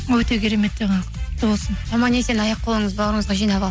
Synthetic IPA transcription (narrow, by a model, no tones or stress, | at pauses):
wɵt̪e̞kʲʰeɾeme̞t̪̚ːeqʰɑnqt̪ʰəbo̞lˠsənɑmɑnesenɑjɑq̚ːʰolˠəɴəzbɑwɾəɴəzʁɑʒijnɑβɑlˠ